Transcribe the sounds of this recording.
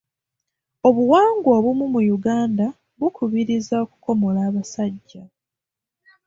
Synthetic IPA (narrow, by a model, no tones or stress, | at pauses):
o̞βuwaːŋɡwo̞ːβumumujuɡaːnda | βukʰuβiɾizaoku̥ko̞mo̞laːβasaɟːa